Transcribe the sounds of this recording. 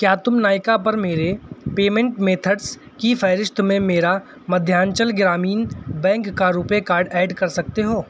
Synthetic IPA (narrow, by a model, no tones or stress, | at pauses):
kjaːt̪ʊmnaːɪkapɐɾmeːɾepeːmẽɳʈmeːt̪ʰəɖs | kifʰɛːɾɪʃt̪mẽmeːɾa | mɐd̪ʱjaːnt͡ʃəlɡɪɾaːmiːnbɛ̃ːŋkːaɾuːpekaːɾɖɛːɖkɐɾsɐk̚t̪eɦoː